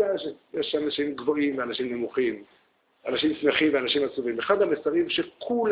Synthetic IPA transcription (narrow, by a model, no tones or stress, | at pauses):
eanaʃimjeʃanaʃimɡvo̞imveanaʃimnemuχim | ʔanaʃimsmeχimveanaʃimat͡suvimeχad̪hamesaʁimʃekʰul